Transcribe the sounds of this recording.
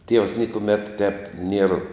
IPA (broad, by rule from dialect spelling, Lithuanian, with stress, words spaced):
tʲiɛws ˈnʲiɛkʊmʲɛt tʲɛp nʲiɛr